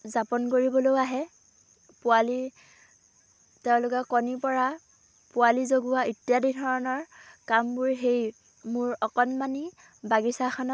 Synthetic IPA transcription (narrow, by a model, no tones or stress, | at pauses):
zapɔnkoɹibɔlojaɦɛ | pʊali | teʊ̃lʊkɛkɔnipɔɹa | pʊwalizoɡuwaitjadidʰɔɹɔnɔɹkambʊɹɦej | mʊɹɔkɔnmani | baɡisaxʰɔnɔ